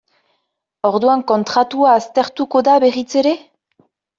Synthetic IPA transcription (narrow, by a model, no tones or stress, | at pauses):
o̞ɾðuaŋko̞nt̪ɾat̪uaːst̪e̞ɾt̪uko̞ðaβe̞rit͡se̞ɾe̞